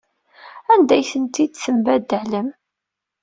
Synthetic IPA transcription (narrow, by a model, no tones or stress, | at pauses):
ænd̪æjθənt̪id̪səmbæd̪ələm